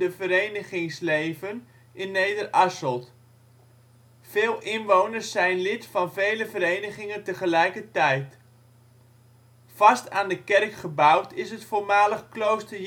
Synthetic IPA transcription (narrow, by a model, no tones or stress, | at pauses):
əvəɾejnəχɪŋslejvən | ɪnːejdərʔɑsəlˠt | fɪːlˠʔɪnʋownərsɛjnlɪtfɑnvejləvəɾejnəχɪŋəntəχəlɛjkətɛjt | fɑstaːndəkɛrkχəbawtʰɪsətfoːmaːləχklowstə